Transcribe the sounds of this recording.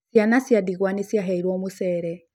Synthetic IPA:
sjanasjadiɣwanisjaɦɛiɾwɔmusɛɾɛ

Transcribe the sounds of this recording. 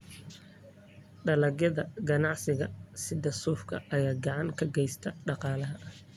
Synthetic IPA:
ɖɐlɐɣjɐðɐɡɐnɑʕsɪɣɐsɪd̪ɐsuːfkʰɐ̰ʔɐjaːɡɑʕɑŋkʰɐɡɛjst̪ʰɐɖɑqɑːlɐɦɐ

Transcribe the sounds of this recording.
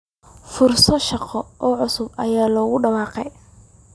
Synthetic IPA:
fʊrsɔʃɑqɔʔɔːʕʊsʊbɐ̰jaːlɔːɣʊɖɑwɑːqɛj

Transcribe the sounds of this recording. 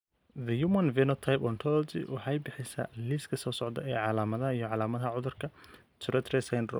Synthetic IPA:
ðɐjumɐnvɛnɔt̪ʰajpɔnt̪ʰɔlltɪ̰wɑħɑjbɪħɪsa̰liskʰɐsɔːsɔʕd̪ɐ̰ʔɛːʕɑlaːmɐðɐɦɐijɔʕɑlaːmɐðɐɦɐʕʊðʊrkʰɐ | t̪ʰʊɾɛt̪ʰɾɛsajnrɔ̰

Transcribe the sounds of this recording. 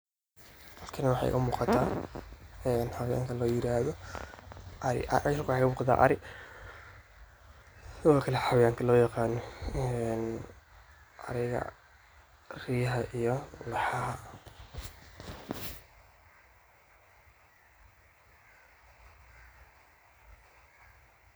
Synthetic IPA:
hɐkʰɐnɐwɑħɑ̰jʔɣɐmuːqɑt̪ʰaː | ɛːnħɑwɐja̰ːŋk̪ʰɐlɔːjɪɾaːðɔ | ɾɪ̰ʔkwħɑkɐmuːqɑt̪ʰa̰ʔɐ̰ɾɪ | lʊɣɔːkʰɐlɛħɑwjaːŋkʰɐlɔːjɑqɑːnɔɛn | ʔɐ̰ɾɛɣɐ̰ | riːɦɐʔijɔlɑħɑɦɐ

